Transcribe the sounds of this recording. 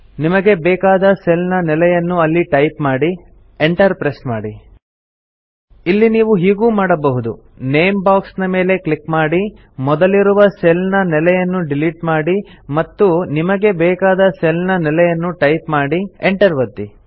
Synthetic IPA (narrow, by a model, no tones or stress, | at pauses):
nimɐɡe̞bɛːkaːd̪ɐselnɐnɛlɛjɐnːuɐlːiʈɐjpmaːɽi | eɳʈɐɾpɾesmaːɽi | ilːiniːʋuɦiːɡuːmaːɽɐbɐɦud̪u | ne̞jmbaːksnɐme̞ːle̞klikmaːɽi | mɔd̪ɐliɾuʋɐselnɐnɛlɛjɐnːuɖiliʈmaːɽimɐt̪ːunimɐɡe̞bɛːkaːd̪ɐselnɐnɛlɛjɐnːuʈɐjpmaːɽieɳʈɐɾʋɐd̪ːi